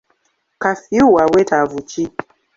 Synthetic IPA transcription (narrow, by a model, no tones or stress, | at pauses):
kafiuwawɛtavut͡ʃi